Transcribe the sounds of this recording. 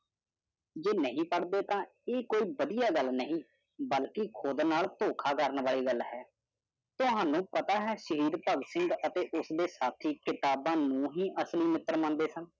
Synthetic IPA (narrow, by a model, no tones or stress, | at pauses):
d͡ʒeːnəɦĩːpəɽd̪eːt̪ãː | eːkoːiːbəd̪ijaːɡəlnəɦĩː | bəlkɪkʰʊd̪naːlt̪oːkʰaːkəɾənʋaːliːɡəlɦɛː | t̪ʊɦãːnũːpət̪aːɦɛːʃəɾiːɾpəɡsɪ̃ŋɡət̪eːʔʊsd̪eːsaːt̪ʰiːkɪt̪aːbãːnũːɦiːʔəsliːmɪt̪əɾmãːnd̪eːsən